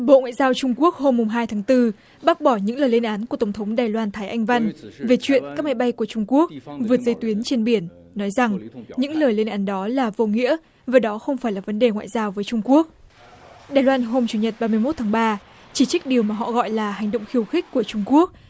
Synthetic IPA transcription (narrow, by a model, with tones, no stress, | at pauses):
ɓo̰˧˨ŋwa̰ː˧˨jzaː˧wt͡ɕʊ˧ŋ͡mku˦˥ək̚ho˧mːʊ˨˩ŋ͡mɦaː˧jt̪ʰaː˨˦ŋt̪ɨ˧ | ɓa˦˥k̚ɓɔ˧˩ɲɨ̰˧˥ŋləː˨˩jle˧nʔaː˨˦nkət̪ə˨˩wŋ͡mt̪ʰə˨˦wŋ͡mɗaː˨˩jlwaː˧nt̪ʰaː˨˦jʔa˧jŋ̟va˧jŋve˨˩t͡ɕwḭ˧˨ənkaː˦˥k̚ma˨˦jɓa˧jku˧˩ət͡ɕʊ˧ŋ͡mku˦˥ək̚vɨ˨˩ət̚zə˧jt̪wi˨˦ənt͡ɕe˧nɓi˧˩ənː | ɔ˨˦jza˨˩ŋɲɨ̰˧˥ŋləː˨˩jle˧nʔaː˨˦nɗɔ˨˦laː˨˩vo˧˩ŋḭ˧˥ə | vaː˨˩ɗɔ˨˦xə˧wŋ͡mfaː˧˩jlaː˨˩və˨˦nɗe˨˩ŋwa̰ː˧˨jzaː˧wvəː˨˦jt͡ɕʊ˧ŋ͡mku˦˥ək̚ | ɗaː˨˩jlwaː˧nɦo˧mt͡ɕu˨˩ɲə˨˩t̚ɓaː˧mɨ˧əjmo˦˥t̪̚ʰaː˨˦ŋɓaː˧ | t͡ɕi˧˩t͡ɕi˦˥k̚ɗi˨˩əwmaː˨˩ɦɔ̰˧˨ɣɔ̰˧˨jlaː˨˩ɦa˨˩ŋ̟ɗo̰˧˨ŋ͡mxi˨˧˩əwxï˦˥k̟̚kːu˧˩ət͡ɕʊ˧ŋ͡mku˦˥ək̚